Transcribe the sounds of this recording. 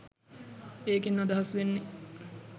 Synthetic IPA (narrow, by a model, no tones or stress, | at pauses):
eːkinːad̪ɐɦasʋenːe